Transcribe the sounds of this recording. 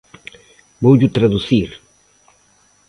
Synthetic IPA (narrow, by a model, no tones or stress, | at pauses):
bowʎut̪ɾaðuθiɾ